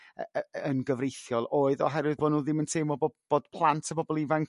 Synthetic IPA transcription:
əənɡəvrejθjɔlˠʔoːɨðɔ̰ɦɛrwɨðboːnuːðɪməntʰeːmɔbb̥oːd̥pʰlˠantʰəbɔbɔlˠivaŋ

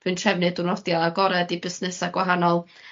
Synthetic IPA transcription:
pʰɨntrɛvnɨdunɔdjaːɡɔɾɛdibɪsnɨsaɡwaɦanɔlˠ

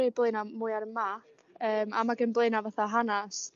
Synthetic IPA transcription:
iblˠeɨnamuɨaɾəmapʰəːma̰maɡənblˠeɨnavaθaɦanas

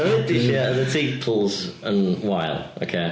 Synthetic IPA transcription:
oɪdɪʃɛəðətʰiːˑpʰʊlˠzə̃nwaɪlˠʔo̰kʰeɪ

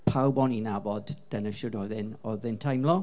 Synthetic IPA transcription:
pʰawbɔninabɔdd̥ənəʃʊdɔðɪnɔðɪntʰajmlˠɔ

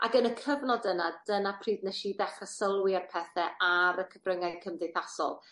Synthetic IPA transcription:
ʔa̰ɡənəkʰəvnɔdənad̥ənapʰriːdnɛʃidɛχrəsəlˠwɪarpʰɛθɛʔaɾəkʰəvrəŋajnkʰəmdejθasɔ̰lˠ

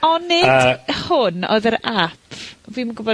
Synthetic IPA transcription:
ɔnːɨəhʊnɔ̰ɨðəɾapʰviːmaɡʊbɔ

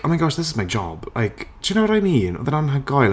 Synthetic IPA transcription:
ɔmaɪɡɔʃðɪs̬ɪzmajd͡ʒɔ̰b̥lʔa̰jkʰt͡ʃʰɪnawɾajminɔ̰ðənanɦaɡɔjl

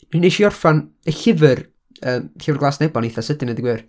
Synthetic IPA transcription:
nineʃiːɔrfan | əɬɪvər | əːmɬɪvrɡlaːsnɛbɔniθasədɪnədiɡwɪːr

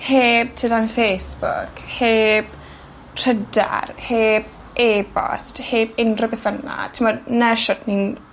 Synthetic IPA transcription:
heːb̚tʰidanfeːsb̥ʊ̰kʰheːb̥ | tʰrəda̰rheːb̚ | eːbɔ̰stheːbɪndrɔbɛθvəna̰tʰɪmɔdnɛʃɔdnin

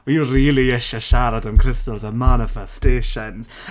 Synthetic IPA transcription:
wiriːlˠiɪʃəʃaɾadənkʰr̥ɪstəlˠzəmanɪfɛsteːʃənz̥

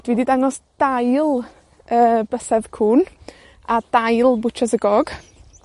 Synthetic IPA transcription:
d̥wididaŋɔsd̥ajlˠ | əːb̥əsɛðkʰuːn | ad̥ajlˠbʊt͡ʃʰɛsəɡɔɡ̥

